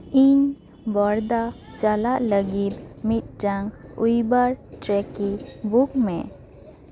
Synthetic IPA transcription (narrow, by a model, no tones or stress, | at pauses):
iɲ | bɔɾd̪a | t͡ʃalaʔləɡit̪̚mit̪̚ʈaŋujbaɾʈɾɛkibukmɛ